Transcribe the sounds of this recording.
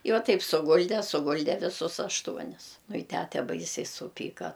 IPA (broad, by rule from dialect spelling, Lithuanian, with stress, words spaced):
ɪ ˈʋɐ ˈtɐɪp sʊˈɡʊlʲdʲɛ sʊˈɡʊlʲdʲɛ ʋʲɪˈsʊs ɐʃˈtuɔnʲɪs nʊ ɪ ˈtʲætʲɛ ˈbɐɪsʲɛɪ sʊˈpʲiːkɐ